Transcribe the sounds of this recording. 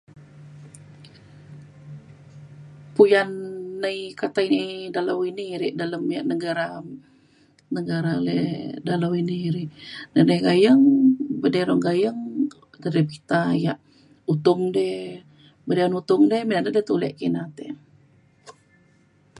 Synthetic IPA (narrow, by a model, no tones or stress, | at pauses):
pujanːəjkat̪ainidalawiniɾiʔdaləmjaʔnəɡaɾa | nəɡaɾalɛdalawiniɾiʔnənəjɡajəŋbədeɾɔŋɡajəŋ | d̪aɾəpit̪ajaʔ | ut̪ʊŋdɛh | bədeɾɔnut̪ʊŋdɛhminanadɛt̪ulɛ̰ʔkinat̪ḛ